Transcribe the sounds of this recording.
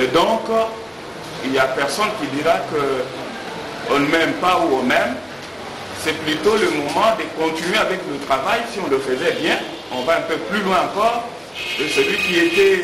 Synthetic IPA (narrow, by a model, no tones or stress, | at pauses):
d̪ɔ̃k | iljapɛʁsɔnkʲid̪iʁakə | ɔ̃nəmɛmpauɔ̃mɛm | sɛplyt̪oləmɔmɑ̃d̪əkɔ̃t̪inɥeavɛklət̪χavajsiɔ̃ləfəzɛbjɛ̃ | ɔ̃vaɛ̃pøplylwɛ̃ɑ̃kɔːʁ | əsəlɥikʲiet̪ɛ